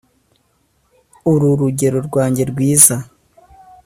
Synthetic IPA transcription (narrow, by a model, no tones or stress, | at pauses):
uɾuɾuɟe̞ɾo̞ɾɡwaːɲɟe̞ɾɡwiːza